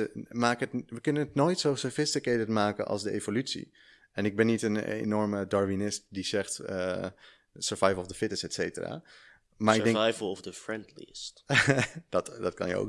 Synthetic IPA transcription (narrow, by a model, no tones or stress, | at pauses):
əmaːkəətʋəkɵnənətnoːjtsowsoɹfɪstɪkedətmaːkə̰nʔɑ̰lˠzdəevolytsḭ | ɛnɪɡ̚bɛnːitənḛnɔɹmədɑɹvinɪst̚dizɛχtə | səɹvajvəlˠɔvdəfɪtəsɛtsejtəra̰ː | maːɹɪɡdɛŋjvl̩ˠɔfdəfɹɛndlḭst | dɑtdɑtkɑ̰njə̰o̰wk